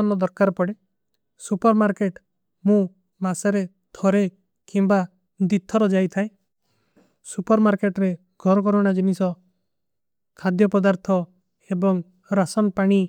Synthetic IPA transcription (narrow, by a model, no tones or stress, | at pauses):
nɔd̪ɔɾkaɾpɔɽe | supɔɾmaɾkeʈ | mũ | masaɾe | t̪ʰɔɾe | kimba | d̪it̪ʰːɔɾɔd͡ʒajt̪ʰae | supɔɾmaɾkeʈɾe | ɡʱɔɾɔkɔɾɔɽ̃ad͡ʒinisɔ | kʰad̪jɔpɔd̪aɾt̪ʰɔ | ebɔŋ | ɾasɔnpaɽ̃i